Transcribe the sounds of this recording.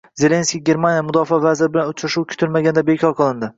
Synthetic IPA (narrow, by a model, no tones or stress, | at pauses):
ze̞lʲe̞nskʲiɡʲe̞ɾmanjamʊd̪ɒfavazɪɾɪbɪlanʊt͡ʃʰɾaʃuwkʲʰʊ̥t̪ʰɪlmaɡʲand̪abe̞kʲʰɒɾqʰɨlˠɪnd̪ɪ